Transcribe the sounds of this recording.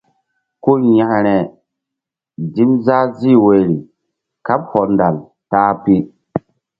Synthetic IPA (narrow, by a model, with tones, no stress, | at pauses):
ko˦jã˨hɾɛ˨ | di˦mza˦zi˦we˨ɾi˨ | ka˦p̚hɔ˨nda˨l | taː˦pi˦